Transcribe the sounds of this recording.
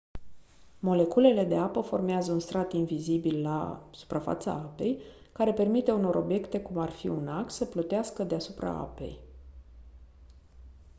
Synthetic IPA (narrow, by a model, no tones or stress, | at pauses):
mo̞le̞kule̞le̞d̪e̞apəfo̞rmeazəunst̪ɾat̪invizibilːa̰su̥pɾafa̰t̪sa̰ape̞̰j | kaɾe̞pe̞rmit̪e̞uno̞ɾʔo̞bje̞kt̪e̞kumarfḭunaksəplət̪easkəd̪easupɾa̰a̰pe̞̰j